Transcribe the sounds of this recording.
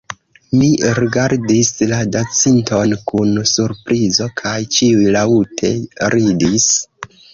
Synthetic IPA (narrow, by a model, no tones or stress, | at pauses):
miɾiɡaɾdisladat͡sinto̞nkunsuɾpɾʔizo̞kʰajt͡ʃiujlautʰe̞ɾidis